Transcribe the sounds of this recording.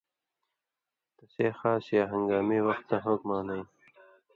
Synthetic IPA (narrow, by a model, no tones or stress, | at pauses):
t̪ɐseːxaːsjaːɦɐŋɡaːmiːwʌxt̪nɐɦokmaːnɐ